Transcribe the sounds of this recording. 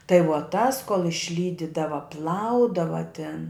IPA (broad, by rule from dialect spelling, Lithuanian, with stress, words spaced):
tɐɪ ʋuɔ ˈtɐs koːlˠ ɪʃʲˈlʲiːdʲɪdɐʋɐ ˈplˠɐʊdɐʋɐ tʲɪn